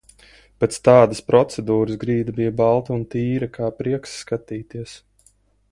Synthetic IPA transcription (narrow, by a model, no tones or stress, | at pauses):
pɛt̪st̪ɑːd̪aspɾɔt̪sɛd̪uːɾɨzɡɾiːd̪ɐbijabɑlˠt̪uunt̪iːɾɐkʰaːpɾiɛksːkat̪iːt̪iɛs